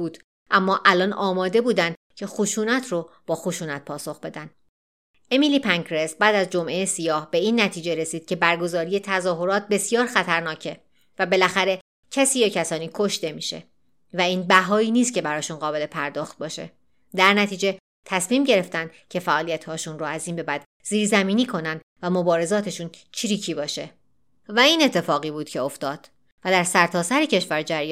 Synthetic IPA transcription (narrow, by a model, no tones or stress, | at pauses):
buːd̪̥ | ʔæmːɒːʔælɒːnʔɒːmɒːd̪e̞buːd̪ænd̪ | cʰe̞xoʃuːnæt̪ʰɾob̥ɒːxoʃuːnæt̪̚pʰɒːso̞xb̥e̞d̪ænd̪ | e̞miliːpʰæŋkɾesbæːd̪æzd͡ʒo̞mʔe̞jesijɒːhbe̞iːnːæt̪ʰiːd͡ʒe̞ɾe̞siːd̪̥cʰe̞bæɾɡo̞zɒːɾije̞t̪ʰæzɒːɦo̞ɾɒːt̪̚be̞sijɒːɾxæt̪ʰæɾnɒːcʰe̞ | væbe̞læxæɾe̞ | cʰæsiːjecʰæsɒːniːkʰo̞ʃt̪e̞miːʃḛ | væiːnbæɦɒːiːniːst̪̚cʰe̞bæɾɒːʃunɢɒːbe̞lepʰæɾd̪ɒːxt̪̚bɒːʃe̞̰ | d̪æɾnæt̪ʰiːd͡ʒe̞ | t̪ʰæsmiːmɟe̞ɾe̞ft̪ænd̪cʰe̞fæʔɒːlijæt̪hɒːʃunɾoæziːnbe̞bæd̪ | ziːɾzæmiːniːkʰo̞nænd̪væmo̞bɒːɾe̞zɒːt̪ʰeʃunt͡ʃʰiɾiːcʰiːbɒːʃe̞ | væiːne̞t̪ʰːe̞fɒːɣiːbuːd̪̥cʲʰeoft̪ɒːd̪̥ | væd̪æɾsæɾt̪ʰɒːsæɾicʰe̞ʃvæɾd͡ʒæɾj